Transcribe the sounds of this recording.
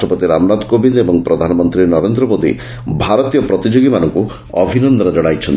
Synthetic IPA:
ʈɔpɔt̪iɾamnad̪kobind̪ebɔŋpɾɔd̪ʱanɔmɔnt̪ɾinɔɾend̪ɾɔmod̪ḭ | bʱaɾɔt̪ijɔpɾɔt̪id͡ʒoɡimanɔŋku | ɔbʱinɔnd̪ɔnɔd͡ʒɔɽajt͡ʃʰɔnt̪

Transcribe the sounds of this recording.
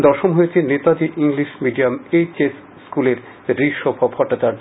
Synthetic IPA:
d̪ɔɾʃomɦojet͡ɕʰenet̪ad̪iʔiŋliʃmiɖijamet͡ɕesːkuleɾ | d̪ɾiʃobʱobhɔʈːat͡ɕaɾd͡ʑ

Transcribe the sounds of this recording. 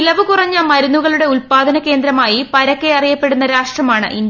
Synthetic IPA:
ilɐʋɨkurɐɲːɐmɐɾunːuɣɐɭuɽe̞uɭpaːd̪ʱɐnɐke̞ːnd̪ɾɐmaːjipɐɾɐkːe̞ɐrijɐpːe̞ɽunːɐɾaːʂʈrɐmaːɳɨʔind̪

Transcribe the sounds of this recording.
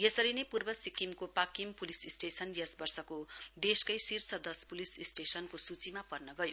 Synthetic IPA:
jesʌɾinepurbʌsikimkopakimpulisisʈesʌnjʌsbʌrsʌkod̪eskʌjsirsʌd̪ʌspulisisʈesʌnkosut͡simapʌrnʌɡʌjo

